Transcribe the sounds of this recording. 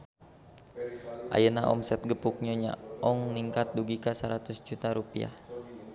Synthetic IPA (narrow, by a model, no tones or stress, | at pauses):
ʔa̰jənaʔɔ̰msɛt̪̚ɡəpuk̚ɲɔɲa̰ɔŋniŋkat̪̚duɡikasəɾat̪usd͡ʒut̪aɾupia̰